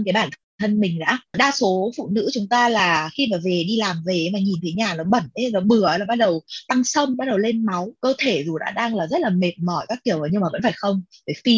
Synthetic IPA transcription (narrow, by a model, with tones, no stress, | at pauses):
ka˨˦jɓaː˧˩nt̪ʰɨ˨˩ŋt̪ʰə˧nmï˨˩ŋ̟za̰ː˧˥ɗaː˧so˨˦fṵ˧˨nɨ̰˧˥t͡ɕʊ˨˦ŋ͡mt̪aː˧laː˨˩xi˧maː˨˩ve˨˩ɗi˧laː˨˩mve˨˩˦maː˨˩ɲi˨˩nt̪ʰə˨˦ɲaː˨˩nɔ˨˦ɓə˧˩ne˨˦nɔ˨˦ɓɨ˨˩ə˨laː˨˩ɓa˦˥ɗə˨˩wt̪a˧ŋsə˧wŋ͡mɓa˦˥t̚ɗə˨˩wle˧nma˨˦wkəː˧t̪ʰe˧˩zu˨˩ɗa̰ː˧˥ɗaː˧ŋlaː˨˩zə˦˥t̚laː˨˩me˨˩t̚mɔ˧˩jkaː˦˥k̚ki˧˩əwʔəː˨˩ɲɨ˧ŋmaː˨˩və̰˧˥nfaː˧˩jxə˧wŋ͡mve˧˨˩fi˧